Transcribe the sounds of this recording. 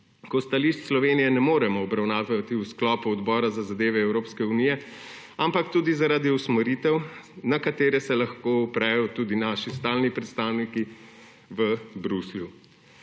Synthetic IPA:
kɔst̪aliʃt̪slɔʋeːnijɛnɛmoːɾɛmɔːbɾawnaːʋat̪iwsklɔːpɔɔd̪bɔːɾazazad̪eːʋɛɛwɾoːpskɛunijɛ | ampakt̪uːd̪izaɾaːd̪iusmɛɾit̪ɛwnakat̪eːɾɛsɛlaxkoupɾɛːjɔt̪ud̪inaʃist̪aːlnipɾɛt̪st̪awniki | ʋəbɾuslju

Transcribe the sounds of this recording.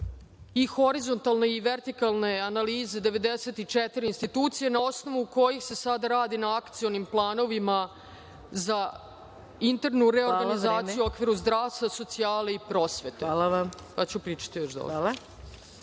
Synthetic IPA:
ixo̞ɾizo̞nt̪alˠne̞iʋeɾt̪ikalˠne̞analiːze̞d̪e̞ʋe̞d̪eset̪it͡ʂet̪iɾiːnst̪it̪uːt̪sijenao̞sno̞ʋuko̞jixse̞sad̪aɾaːd̪inaakt̪sijo̞nimplˠaːno̞ʋima | za | int̪eɾnuɾeo̞ɾɡaizaːt̪sijuo̞kʋiɾuzd̪ɾaːʋst̪vaso̞t̪siaːleipɾo̞ːsʋe̞t̪eaa | pat͡ɕupɾiːt͡ʃḁt̪ijoʃd̪o̰

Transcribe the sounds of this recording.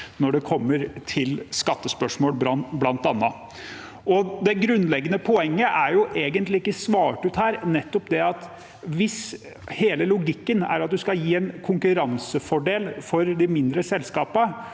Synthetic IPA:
nɔɖɛkʰɔmːəɾt̪ʰɪlskɑt̪ːəspœʂmoːlbɾɑblɑnt̪ɑnːɑ | ɔd̪ɛɡɾʉnlɛɡːənəpʰɔɛŋːəʔæɾjʊʔeːɡənt̪lɪɪkːəsʋɑːʈʉːt̪hæːɾnɛt̪ːɔpd̪ɛɑt̪ | ʋɪs | heːləlʊɡɪkːənæ̰ɾɑt̪̚d̪ʉskɑjiːɛnkʰʊŋkʉɾɑnsəfɔɖeːlfɔɾd̪ɪmɪnd̪ɾəsɛlskɑːpə

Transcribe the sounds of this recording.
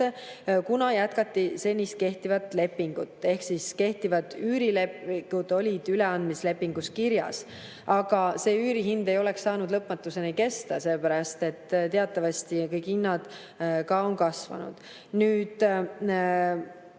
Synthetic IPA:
ekunɑjæt̪kɑt̪ːise̞nʲist̪̚ke̞ht̪ivɑt̪ːˑle̞pːiŋɡ̥ut̪ːˑe̞hksiske̞ht̪ivɑd̪yːɾile̞pɡud̪̥o̞lʲid̪̥yle̞ɑnd̪misle̞pːiŋɡ̥uskiɾjɑ̰s | ɑɡ̥ɑse̞ːyːɾiɦind̪e̞jo̞le̞ksːɑːnud̪lɤpmɑt̪ːˑuse̞nike̞st̪ɑse̞lːpæɾɑst̪e̞t̪ːt̪eɑt̪ːˑɑvɑst̪ikɤjkhinːɑd̪̥ | kɑo̞nkɑsvɑ̰nṵd̪̥ | nyːd̪̥

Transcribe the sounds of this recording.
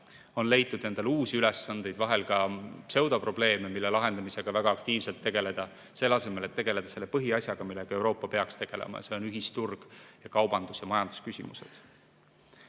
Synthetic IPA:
o̞nle̞jt̪ːˑud̪̥ne̞nd̪̥e̞luːsiylesːɑnd̪̥e̞jd̪vɑɦe̞lɡɑse̞wd̪̥ɑpro̞b̥le̞ːme̞milːelɑɦe̞nd̪̥ɑmise̞ɡ̥ɑvæɡ̥ɑɑkt̪iːvselt̪ːe̞ɡ̥e̞le̞d̪̥ɑ | se̞lːɑse̞me̞le̞t̪ːe̞ɡ̥e̞le̞d̪ɑse̞lːe̞pɤɦiɑsjɑɡ̥ɑmilːe̞ɡ̥ɑe̞wɾo̞ːpːɑpe̞ɑkst̪e̞ɡ̥e̞̰lḛmɑ̰jse̞o̞nyɦist̪urɡ̥jɑkɑwb̥ɑnd̪̥usjɑmɑjɑnd̪̥u̥skysʲḭmuse̞̰d̪̥

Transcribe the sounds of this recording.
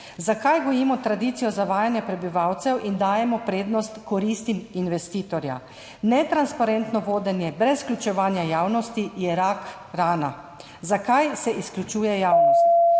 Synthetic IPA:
zakajɡɔjiːmɔt̪ɾad̪iːt̪sijɔzaʋaːjanjɛpɾɛbiʋawt̪sɛwʔind̪aːjɛmɔpɾeːd̪nɔst̪kɔɾist̪iminʋɛst̪iːt̪ɔɾja̰ | nɛt̪ɾanspaɾɛnt̪nɔʋoːd̪ɛnjɛbɾɛsklʲut͡ʃɛʋaːnjajaːwnɔst̪ijɛɾak | ɾaːna | zakajsɛʔisklʲut͡ʃuːjɛjaːwnɔst̪

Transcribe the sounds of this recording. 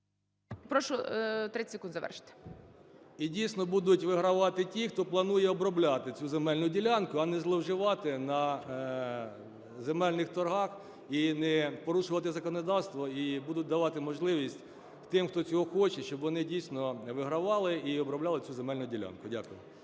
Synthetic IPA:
pɾɔʃɔt̪ɾɪsʲɪkund̪zɐʋɛ̰rʃɪ̥t̪ɪ̥ | idʲijsʲnɔbud̪ʊtʲʋɪɦɾɐʋɑt̪ɪtʲixt̪ɔplˠɐnujɛɔbɾɔblʲɑt̪ɪt͡sʲuzemɛlʲnʊdʲilʲɑnkʊɐnɛzlˠɔwʒɪʋɑt̪ɪnɐ | zemɛlʲnɪxt̪ɔrɦɑx | inɛpɔɾuʃʊʋɐt̪ɪzɐkɔnɔd̪ɑwst̪ʋɔibud̪ʊt̚ʲd̪ɐʋɑt̪ɪmɔʒlˠɪʋʲisʲtʲ | t̪ɪmxt̪ɔt͡sʲɔɦɔxɔt͡ʃɛʃt͡ʃɔbʋɔnɪdʲijsnɔʋɪɦɾɐʋɑlˠɪiɔbɾɔblʲɑlˠɪt͡sʲuzemɛlʲnʊdʲilʲa̰nkʊdʲa̰kʊjɪ

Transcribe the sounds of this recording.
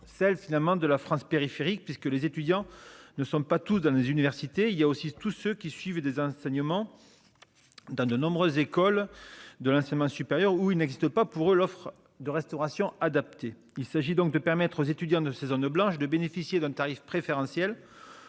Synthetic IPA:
sɛlfinalmɑ̃d̪əlafχɑ̃speʁifeʁik̚pɥiskəlezet̪yd̪jɑ̃nəsɔ̃pat̪usd̪ɑ̃lezynivɛʁsit̪eiljaosit̪usøkʲisɥivd̪ezɑ̃sɛɲəmɑ̃ | d̪ɑ̃d̪ənɔ̃bʁøzekɔld̪əlɑ̃sɛɲəmɑ̃sypeʁjœʁuilnɛɡzist̪əpapuʁølɔfχ | d̪əʁɛst̪ɔʁasjɔ̃ad̪ap̚t̪e | ilsaʒid̪ɔ̃ŋk̚d̪əpɛʁmɛt̪χozet̪yd̪jɑ̃d̪əsezɔnblɑ̃ʃd̪əbenefisjed̪ɛ̃t̪aʁifpχefeʁɑ̃sjɛl

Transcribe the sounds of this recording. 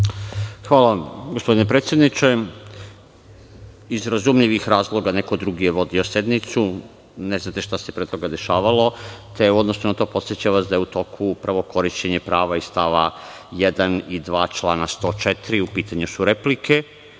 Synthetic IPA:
xʋaːlaɡospo̞d̪inepɾet̪sʲje̞d̪nit͡ʃe̞ | izɾazumʎiʋixɾaːzlˠo̞ɡane̞kod̪ɾuɡije̞ʋo̞d̪io̞sje̞d̪nit̪su | ne̞znat̪e̞ʃt̪asepɾet̪o̞ɡad̪e̞ʃaːʋalo̞t̪e̞uo̞d̪no̞snunat̪o̞ːpo̞t̪sjet͡ɕaʋasd̪ajeut̪o̞kʰuupɾaʋo̞kʰo̞ɾiʃt͡ɕe̞ɲepɾaːʋaist̪aʋa | jed̪anid̪ʋaːt͡ʃlˠaːnast̪o̞ːt͡ʃet̪ɾiupiːt̪aɲusuɾe̞plike

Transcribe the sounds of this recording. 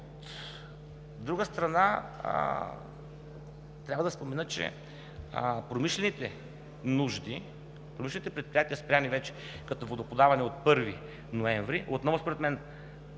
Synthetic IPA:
t̪ | d̪ɾuɡəst̪ɾɐna̰ | t̪ɾʲavɐəd̪ɐspomɛnɤt͡ʃɛ̰ | pɾomiʃlɛnit̪ɛ | nuʒd̪i | pɾomiʃlɛnit̪ɛpɾɛt̪̚pɾijat̪iəspɾʲjamivɛt͡ʃɛ̥ | kɐt̪ovod̪opod̪avɐnɛot̪̚pɤɾvi | noɛɱvɾiʔot̪nɔvospoɾɛt̪mɛn

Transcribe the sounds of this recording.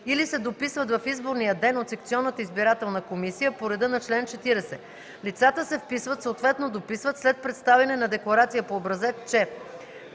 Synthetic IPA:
ilisɛd̪opisvət̪vɐfizboɾnijəd̪ɛnot̪sɛk̚t̪siɔnːət̪əizbiɾat̪ɛlˠnəkomisijəpoɾɛd̪ɤnɐt͡ʃlɛnt͡ʃɛt̪iɾɛsɛ | lit̪sat̪əsɛfpisvət̪soot̪vɛt̪nod̪opisvət̪slɛt̪̚pɾɛt̪st̪avɛnɛnɐd̪ɛklˠɐɾat̪sijəpoːbɾɐzɛt̪t͡ʃɛ

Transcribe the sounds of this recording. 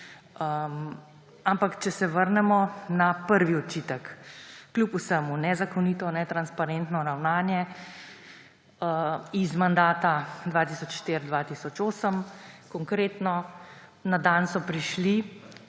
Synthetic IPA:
ə | ampakt͡ʃɛsɛʋəɾnɛmɔnapəɾʋiɔt͡ʃiːt̪əkːlʲupusəmunɛzakɔniːt̪ɔnɛt̪ɾanspaɾent̪nɔɾawnaːnjɛ | əizmand̪aːt̪ad̪ʋaːt̪iːsɔt͡ʃʃt̪eːɾd̪ʋat̪isɔt͡ʃoːsəmkɔŋkɾeːt̪nɔ | nad̪ansɔpɾiʃli

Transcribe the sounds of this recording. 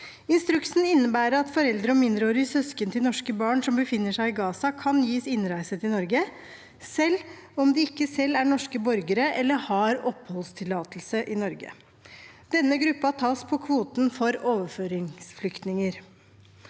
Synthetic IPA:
ɪnst̪ɾʉksn̩ɪnːəbæːɾəɾɑt̪fɔɾɛld̪ɾəɔmɪnd̪ɾəoːɾsœskənt̪ʰɪlnɔʂkəbɑːɳʂɔmbəfɪnːəʂæɪɪɡɑːsɑkʰɑnjiːsɪnɾæɪsət̪ɪnɔɾɡə | sɛlːɔmd̪ɪɪkːəsɛlːæɳɔʂkəbɔɾɡəɾəʔɛlːəɾhɑɾɔphɔlst̪ʰɪlːɑːt̪lsəʔɪnɔɾɡə̰ | d̪̥ɛnːəɡɾʉpːɑt̪ʰɑːspʰɔkʰʋuːt̪n̩fɔɾoːʋəɾføːɾɪŋsflʏkt̪nɪŋəɾ

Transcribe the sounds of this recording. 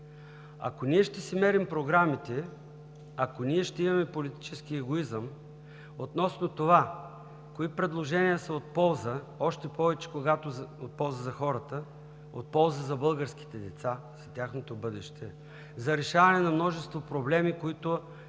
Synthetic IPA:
ɐ̰koniɛʃt̪ɛsɛmɛɾimpɾoɡɾamit̪ɛ | ɐkoniɛʃt̪ɛimɐmɛpolit̪i̥t͡ʃɛskiɛɡoizəm | ot̪nɔsnot̪ova | koipɾɛd̪lˠoʒɛnijəsɐot̪̚pɔlˠzə | ɔʃt̪ɛpɔvɛt͡ʃɛ̥koɡat̪oot̪̚pɔlˠzəzɐxɔɾət̪ə | o̰t̪̚pɔlˠzəzɐbɤlˠɡəɾsk̟i̥t̪ɛd̪ɛt̪sa | z̥ɐt̪ʲjaxnot̪obɤd̪ɛʃt̪ʰɛ | zɐɾɛʃavɐnɛnɐmnɔʒɛst̪vopɾoblɛmikoit̪ʊ

